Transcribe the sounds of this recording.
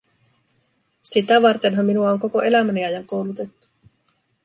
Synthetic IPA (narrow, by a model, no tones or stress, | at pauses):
sit̪æʋɑrt̪e̞nɦɑmːinuɑoŋko̞ko̞ʔe̞læmæniæjæŋko̞wlut̪e̞t̪ːu̥